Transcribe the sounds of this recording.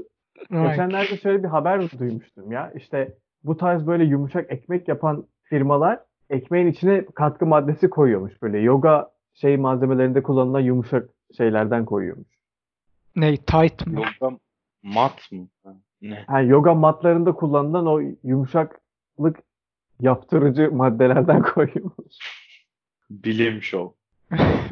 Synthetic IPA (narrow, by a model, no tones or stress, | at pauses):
ɡet͡ʃænlʲæɾd̪ɛʃø̞jlʲɛbiɦabæɾd̪ujmuʃt̪ʰumjaʔiʃt̪ʰɛ | but̪ʰaɾzbø̞jlʲɛjumuʃakɛcmɛcjapʰan | fiɾmalˠaɾ̥ | ɛcmejinit͡ʃʰinɛkʰat̪̚kʰɯmad̪ːe̞sikʰo̞jujo̞muʃb̥ø̞jlʲɛjo̞ɡa | ʃe̞jmaze̞melʲe̞ɾind̪ɛkʰulˠːanɯlˠanjumuʃak | ʃe̞jlʲæɾd̪ænkʰo̞jṵjo̞̰muʃ | nejt̪ʰajt̪mjoɡa | mat̪mɯ | nɛhæjo̞ɡamat̪lˠaɾɯnd̪akʰulˠːanɯlˠano̞jumuʃak | lˠɯk | japt̪ʰɯɾɯd͡ʒɯmad̪ːe̞lʲæɾd̪ænkʰo̞jujomuʃ | bilʲemiʃo